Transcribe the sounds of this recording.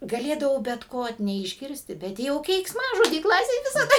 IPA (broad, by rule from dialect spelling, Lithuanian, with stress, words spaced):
ɡɐˈlʲeːdɐʋɐʊ bʲɛt ˈkoː nʲɛɪʒʲˈɡʲɪrʲsʲtʲɪ bʲɛt ˈjɛʊ kʲɛɪksˈmɑːʒoːdʲiː ˈklˠɑːsʲeːj ʋʲɪsɐˈdɐ